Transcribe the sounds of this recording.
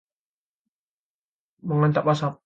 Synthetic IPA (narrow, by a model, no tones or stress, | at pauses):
məŋant̪apasap̚